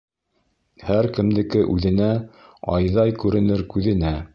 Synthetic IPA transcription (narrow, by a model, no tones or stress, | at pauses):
hæɾkɘ̆md̪ɘ̆kɘʔʉðɘ̆næɑ̰jðɑjkʉɾɘ̆nɘɾkʉðɘ̆næ